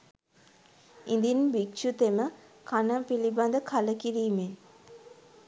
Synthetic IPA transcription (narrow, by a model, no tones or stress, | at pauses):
ind̪inbikt͡ʃut̪emə | kanəpiliband̪əkʰaləkiɾiːmen